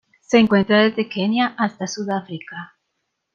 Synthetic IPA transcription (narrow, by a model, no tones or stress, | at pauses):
seːŋkwent̪ɾaðezðekenjaʔast̪asuðafɾika